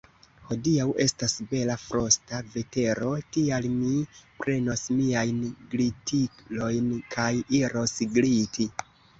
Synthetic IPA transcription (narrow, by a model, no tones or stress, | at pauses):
ho̞diawʔe̞stasbe̞lafɾo̞stave̞te̞ɾo̞tialmipɾe̞no̞smiajnɡlitʰilo̞jnkʰajiɾo̞sɡɾiti